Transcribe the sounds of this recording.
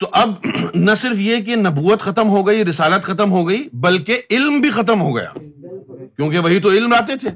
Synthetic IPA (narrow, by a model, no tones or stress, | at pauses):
t̪oʔɐbnɐsɪɾfjek̬enɐbuːət̪xɐt̪əmɦoɡɐiɾɪsaːlət̪xɐt̪əmɦoɡɐibɐlkeɪlmbʱixɐt̪̬əmɦoɡɐ̰ja̰ː | kjõːkeʋɐɦit̪oɪlmɾaːt̪et̪ʰeː